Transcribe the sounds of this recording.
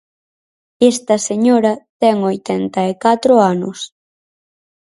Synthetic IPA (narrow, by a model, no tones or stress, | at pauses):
ɛst̪ɐseɲoɾɐt̪ɛŋojt̪ɛnt̪ɐekat̪ɾʊanʊ̰s